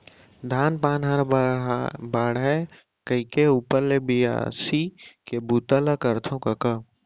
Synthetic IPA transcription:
d̪ʱaːnpaːnɦɐɾ | baːɽɦɛ | kəikeuːpəɾlebija̰sikebuːt̪ələkəɾt̪ʰõkɐkə

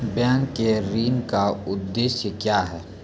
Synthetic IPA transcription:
bjãːŋkːeɾiːnkaʊd̪ːeːʃjəkjaːɦɛː

